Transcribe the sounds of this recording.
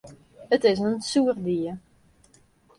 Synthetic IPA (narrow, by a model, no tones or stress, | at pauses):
ətɪs̬ənsuərdiə